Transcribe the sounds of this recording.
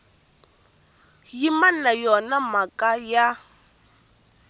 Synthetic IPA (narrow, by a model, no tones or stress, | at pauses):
jimanajɔnamakʼaja